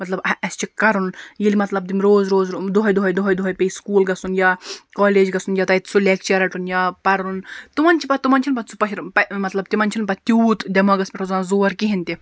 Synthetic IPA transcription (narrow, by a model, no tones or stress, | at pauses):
mɐt̪lɐbɐɐst͡ʃʰikɐɾunjilimɐt̪lɐb̚d̪imɾoːzɾoːzd̪uɦɐjd̪uɦɐjd̪uɦɐjd̪uɦɐjpʲeiskuːlɡɐsunjaːkɔːleːd͡ʒɡɐsunjat̪ɐjt̪t͡sʰulek̚t͡ʃɐɾɐʈunjaːpɐɾunt̪umɐnt͡ʃʰipɐt̪umɐnʲt͡ʃʰinpɐt͡sʰu̥pɐʃiɾpɐmɐt̪lɐbt̪imɐnt͡ʃʰinpɐt̪ʲuːt̪d̪ʲɐmɐɡɐspʲeʈʰɐzaːnzoːɾkiɦinʲt̪i